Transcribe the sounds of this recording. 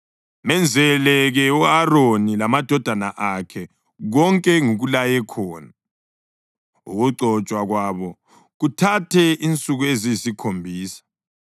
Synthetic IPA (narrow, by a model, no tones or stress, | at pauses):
mɛnd͡zʱɛlɛɣɛuaronilamad̥ʱɔd̥ʱanaʔakʰɛ | ɣɔŋkʼɛŋuɣulajɛkʰɔːna | ṵɣuǀɔt͡ʃʼwaɣwaβɔ | ɣutʰatʰɛint͡sʼuɣuezijisikʰombʱiːsḁ